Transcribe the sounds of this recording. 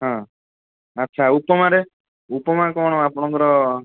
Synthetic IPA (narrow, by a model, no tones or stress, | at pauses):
ɦɔ̃ | ətːt͡ʃʰaupɔmaɾe | upɔmakɔɽ̃ɔapɔɽ̃ɔ̃kɔɾɔ